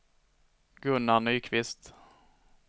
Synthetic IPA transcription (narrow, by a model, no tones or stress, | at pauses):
ɡ̥ɵnːanyːkʰvɪst̪